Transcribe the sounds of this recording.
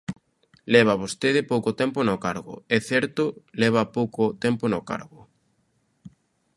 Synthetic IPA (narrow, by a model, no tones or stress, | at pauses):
lɛβ̞aβost̪eðɪpowkot̪ɛmponokaɾɣʊ̰ɛθɛɾt̪ʊlɛβ̞ɐpowkʊt̪ɛmponoka̰ɾɣʊ